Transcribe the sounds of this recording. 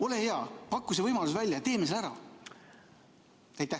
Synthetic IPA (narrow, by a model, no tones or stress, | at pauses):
o̞le̞he̞ɑpɑkːˑus̬evɤjmɑlus̬vælʲjɑt̪e̞ːmiselæɾɑ̰ | æjt̪ːæ